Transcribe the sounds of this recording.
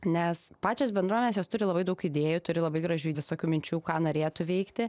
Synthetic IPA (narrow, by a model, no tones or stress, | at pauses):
nʲɛspɑːt͡ʃʲoːs̬bʲɛnd̪ɾuɔmʲɛnʲesjoːst̪ʊɾʲɪlˠɐbɐɪd̪ɐʊkid̪ʲeːjut̪ʊɾʲɪlˠɐbɐɪɡɾɐʒʲuːʋʲɪsoːkʲuːmʲɪnʲt͡ʃʲuːkɑːnoːɾʲeːt̪ʊʋʲɛɪkt̪ʲɪ